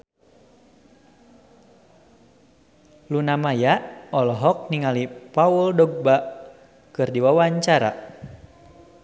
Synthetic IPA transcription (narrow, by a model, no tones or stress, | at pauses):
lunamajaɔlɔɦɔk̚niŋalipauldɔɡ̚baʔ | kɨrdiwawaɲt͡ʃaɾa̰